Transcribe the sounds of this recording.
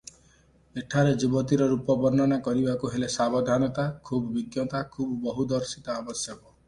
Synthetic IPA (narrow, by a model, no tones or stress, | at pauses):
eʈʰaɾed͡ʒibɔt̪iɾɔɾupɔbɔɾnɔɽ̃akɔɾibakuɦelesabɔd̪ʱanɔt̪akʰubɔbiɡjɔt̪akʰubbɔɦud̪ɔɾsit̪ɔabɔsjɔkɔ